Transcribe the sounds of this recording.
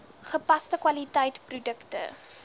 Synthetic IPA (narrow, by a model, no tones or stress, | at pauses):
χəpɐstəkwɐlitɛjtprudəktə̰